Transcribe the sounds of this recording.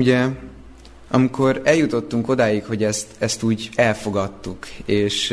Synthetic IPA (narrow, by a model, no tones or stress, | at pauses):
uɟɛ | ɒmikʰo̞ɾɛljut̪o̞t̪ːuŋko̞d̪aːjikho̞ɟɛst̪ɛst̪uːɟɛlfo̞ɡɒt̪ːukeːʃ